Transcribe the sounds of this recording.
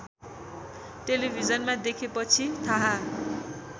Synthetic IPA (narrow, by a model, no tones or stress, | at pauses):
ʈelibʱid͡zʌnmad̪ekʰepʌt͡sʰit̪ʰaɦa